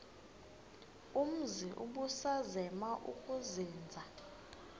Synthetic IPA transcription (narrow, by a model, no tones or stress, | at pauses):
um̩ziʔṵɓusazɛmaʔṵkʼuziːnd͡zʱa